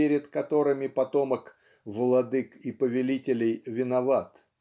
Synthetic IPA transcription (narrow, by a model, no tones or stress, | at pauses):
eɾʲɪd̪kɐt̪o̞ɾɨmʲɪpɐt̪o̞mək | vəlˠɐd̪ɨkipəvʲɪlʲitʲɪlʲɪjvʲɪnɐvat̪